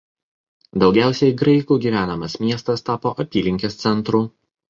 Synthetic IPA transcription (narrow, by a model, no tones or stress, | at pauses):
d̪ɒʊɡʲæˑʊsʲɛɪɡɾɐɪkuːɡʲiːʋʲæːnɐmɐsmʲiɛst̪ɐst̪ɑːpoːʔɐt̪ʲiːlʲɪŋʲkʲest̪sʲɛnt̪ɾuː